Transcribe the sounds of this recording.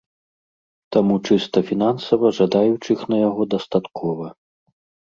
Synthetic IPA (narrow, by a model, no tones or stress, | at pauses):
t̪amut͡ʂɨst̪ɐfʲinansɐvɐʐad̪ajut͡ʂɨxnɐjaɣɔd̪ɐst̪at̪kʰɔvɐ